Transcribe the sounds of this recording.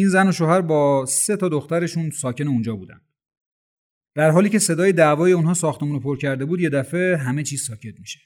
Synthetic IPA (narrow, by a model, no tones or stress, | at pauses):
iːnzæno̞ʃoːhæɾbɒːse̞t̪ʰɒːd̪oxt̪æɾe̞ʃunsɒːce̞neund͡ʒɒːbuːd̪æ̰nd̪ | d̪̥æɾɦɒːliːcʰe̞se̞d̪ɒːjed̪ævɒːjeunɦɒːsɒːxt̪e̞muːnopʰoɾcʰæɾd̪e̞buːd̪je̞d̪æfe̞ɦæme̞t͡ʃʰiːz̥sɒːcʰe̞t̪̚miːʃe